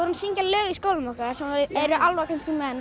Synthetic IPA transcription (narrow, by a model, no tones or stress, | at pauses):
ɔɾʏnsiɲcalœːɣiskowlmɔhkaɾ̥sɛmɾʏɛɾʏʔalvakʰanskɪmɛn